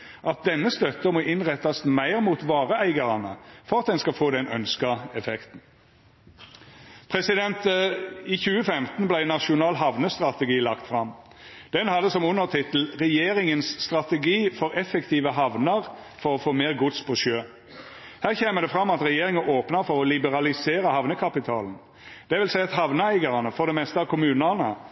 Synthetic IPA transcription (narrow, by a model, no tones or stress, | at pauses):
ʔɑt̪̚d̪ɛnːəst̪œt̪ːəmoːʔɪnʁɛt̪ːɑsmæɪʁmuːt̪ʋɑːʁəæɪɡɑʁɑnə̰fɔʁɑt̪̚d̪ɛnskɑfoːd̪ɛnœ̰nskəɛfɛkt̪n̩ | pʰʁɛsɪd̪ɛnt̪iːçʉːəfɛmt̪n̩blæɪnɑʃʊnɑːlɦɑʋnəst̪ʁɑt̪əɡiːlɑkt̪fʁɑmː | d̪̥ɛnhɑd̪ːəsɔmʊnːəʁt̪ʰɪt̪l̩ʁɛjeːʁɪŋənsːt̪ʁɑt̪əɡiːfɔʁɛfɛkt̪ʰiːʋəɦɑʋnəʁfɔʁɔfoːmeːʁɡʊt̪spʰɔʃøː | hæːʁçeːməd̪ɛfʁɑmːɑt̪ʁɛjeːʁɪŋəoːpnəfɔɾʁɔlɪbəʁɑlɪseːɾəhɑʋnəkʰɑpɪt̪ʰɑːln̩ | d̪̥ɛʋɪlsæɪɑt̪hɑʋnəæɪɡɑʁənəfɔʁd̪ɛmɛst̪əɑʋkʰʊmʉːnənə